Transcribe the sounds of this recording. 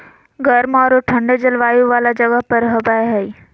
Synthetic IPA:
ɡɐɾmɔːɾoʈʰɐ̃ɳɖed͡ʒɐlʋaːjuʋaːlad͡ʒɐʋəɦpɐɾɦɐbaeɦɛi

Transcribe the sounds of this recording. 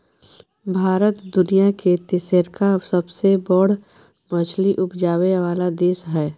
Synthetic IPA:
bʱaːɾət̪d̪ʊnijaket̪ɪseɾkaʋsəbsebɔɽ̤ | mə̃t͡ʃʰliʔʊpʰd͡ʒaːweʋaːlad̪eːʃɦɛː

